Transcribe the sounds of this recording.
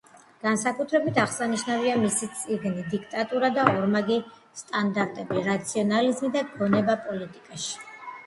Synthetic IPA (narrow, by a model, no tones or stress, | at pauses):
ɡ̥ansakʼut̪ʰɾɛbit̪ʰaχsaniʃnaviamisit̪sʼiɡnid̪ikʰt̪ʼat̪ʼuɾad̪aɔɾmaɡi | st̪ʼand̪aɾt̪ʼɛbiɾat̪sʰiɔnalizmid̪aɡɔnɛbapʼɔlit̪ʼikʼaʃi̥